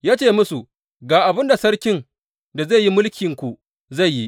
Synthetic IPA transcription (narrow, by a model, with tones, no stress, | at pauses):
jaː˦t͡ʃeː˦˨mʊ˦su˨ | ɡaː˨ʔa˨bɪ˦nda˨sɐ˦ɽkʲɪ˦n | da˨za˦˨ji˦mʊ˦lkʲɪ˨ŋkʷu˨ | za˦˨jːi˦ʔ